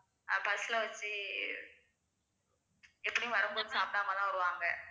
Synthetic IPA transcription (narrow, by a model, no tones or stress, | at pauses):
pɐsɯlɐʋɐt͡ʃːɯ | ɛpːɐɽijʊ̃ʋɐɾɯmboːðɯsaːpɪɽaːmɐlãːʋɐɾɯʋaːŋɡɐ